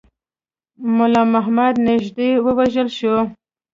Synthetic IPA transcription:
mʊlɑmaɦmad̪nɪʒd̪ewəwaʒəlʃo

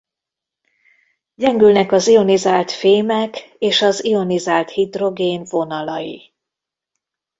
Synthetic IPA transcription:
ɟɛŋɡylnɛkɒzio̞nizaːlt̪feːmɛkeːʃɒzio̞nizaːlt̪hid̪ro̞ɡeːnvo̞nɒlɒjḭ

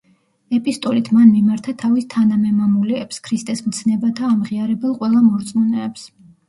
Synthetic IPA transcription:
ɛpʼist̪ʼɔlit̪ʰmanmimaɾt̪ʰat̪ʰavist̪ʰanamɛmamuliɛpskʰɾist̪ʼɛsmt̪sʰnɛbat̪ʰaːmʁiaɾɛbɛlˠqʼwɛlˠamɔɾt̪sʼmunɛːps

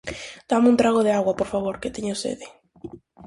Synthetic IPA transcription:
d̪̥amũnt̪ɾaɣoðeaɣwapoɾfaβ̞oɾket̪eɲosḛðe

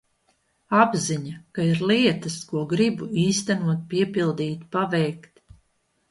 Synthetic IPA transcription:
abziɲakaiɾliɛt̪ɐskuɔɡɾibuiːst̪ænuɔt̪̚piɛpilˠd̪iːt̪pavɛjkt̪

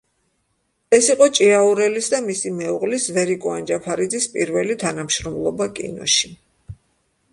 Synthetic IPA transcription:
ɛsiqʼɔt͡ʃʼiauɾɛlisd̪amisimɛuʁlisvɛɾikʼuand͡ʒapʰaɾid̪zispʼḭɾvɛlit̪ʰanamʃɾɔmlˠɔbakʼḭnɔ̰ʃi

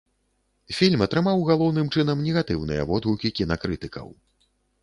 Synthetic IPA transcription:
fʲilʲmɐt̪ɾɨmawɣalˠɔwnɨmt͡ʂɨnɐmnʲɛɣat̪ɨwnɨjɐ̰vɔd̪ɦukʲikʲinɐkɾɨt̪ɨkɐ̰w

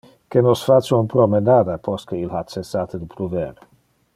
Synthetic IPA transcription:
kenosfat͡ʃeunpɾomenad̪apʰost̪kəilhat͡ʃesat̪d̪upʰɾuveɾ

